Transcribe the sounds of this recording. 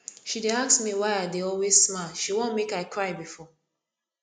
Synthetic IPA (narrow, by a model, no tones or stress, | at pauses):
ʃideaksmiwaɪadeɔlwezsmaʃiwõnmekaɪkʰɹaɪbifɔ